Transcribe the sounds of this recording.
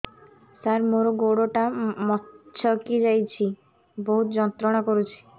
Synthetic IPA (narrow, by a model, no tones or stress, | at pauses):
saɾmoɾɔɡoɽɔʈamɔt͡ʃʰɔkid͡ʒajt͡ʃʰi | bɔɦut̪ɔd͡ʒɔnt̪ɾɔɽ̃ɔkɔɾut͡ʃʰi̥